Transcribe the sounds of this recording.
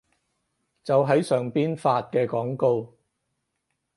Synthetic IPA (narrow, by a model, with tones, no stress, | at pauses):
t͡sɐ˨wɦɐ˨˥jsœː˨ŋpiː˥nfaː˧t̚kɛː˧kɔː˨˥ŋko˧w